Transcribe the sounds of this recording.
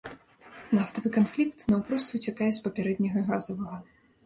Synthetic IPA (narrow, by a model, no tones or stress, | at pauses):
naft̪ɐvɨkanflʲikt̪nɐwpɾɔst̪vʲɨt͡sʲakajɛspɐpʲɛɾɛd̪nʲɐɣɐɣazɐvɐɣɐ